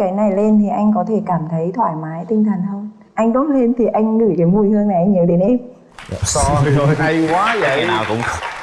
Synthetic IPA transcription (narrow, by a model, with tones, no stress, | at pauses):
kaː˨˦jna˨˩jle˧nt̪ʰi˨˩ʔa˧jŋ̟kɔ˨˦t̪ʰe˧˩kaː˧˩mt̪ʰə˨˦jt̪ʰwa̰ː˧˩jmaː˨˦jt̪i˧ŋt̪ʰa˨˩jŋ̟həː˧n | ʔa˧jŋ̟ɗo˨˦t̚le˧nt̪ʰi˨˩ʔa˧jŋ̟ŋɨ̰˧˩jkaː˨˦jmu˧˩jhɨ˧əŋna˨˩jʔa˧ŋɲə˨˦ɗe˨˦nʔe˧˨ | sɔ˧zo˨˩jɦa˧jkwaː˨˦zə̰˧˨naː˨˩wkʊ̰˧˥˦ŋ͡m